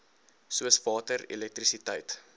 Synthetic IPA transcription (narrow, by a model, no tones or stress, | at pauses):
suəsvɑːtərḭlɛk̚trisitəjt